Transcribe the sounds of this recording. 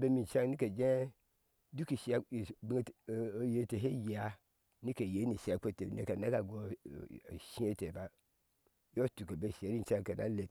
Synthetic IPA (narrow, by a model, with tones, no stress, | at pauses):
be˦mi˨n˨t͡ʃa˦ŋ˦i˦ke˨d͡ʒe˦ | du˦ki˨ʃi˨˦a˨bi˦˨˦je˨te˨ɦe˦ji˨a˦ | ni˦ke˨je˨˦ni˨si˨a˨ke˦˨tḛ˨nḛ˦ka˨na˦ka˨ɡo˨ | ʃi˦e˦te˨ba˦ | jo˦tu˨ka˨be˦˨se˨ɾi˦n̩˨t͡ʃa˦ŋka˨na̰˦le˨t